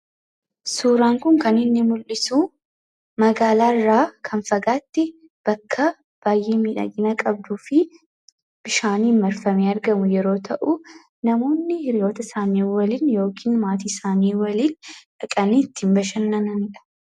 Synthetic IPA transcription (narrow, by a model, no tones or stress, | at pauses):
suːɾaːŋkʊŋkɐnɪnːɪmʊlʔɪsuː | mɐɡaːlaːɪrːaːkʰɐnfɐɡaːt̪ːɪ | b̥ɐkʰːɐ | b̥aːjʔeːmiːᶑɐ̰ɡɪnɐkʼɐb̚d̪uːfɪ | b̥ɪʃaːniːmmɐɾfɐmeːɐɾɡɐmʊjɛɾo̞ːt̪ʰɐʔu | nɐmo̞ːnːɪhɪɾɪjo̞ːt̪ɐɪsaːniːwɐliːnjo̞ːkʰiːnmaːt̪iːsaːniːwɐliːnᶑɐkʼɐniːt̪ːɪmbɐʃɐnːɐnɐnɪᶑɐ̥